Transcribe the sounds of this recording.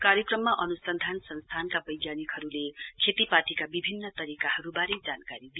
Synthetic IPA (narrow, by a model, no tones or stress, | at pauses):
kaɾjʌkrʌmːaʔʌnusʌnd̪ʱansʌnst̪ʰankabʌjɡjanikɦʌɾulekʰet̪ipaʈikabibʱinːʌt̪ʌɾikaɦʌɾubaɾed͡zankaɾid̪i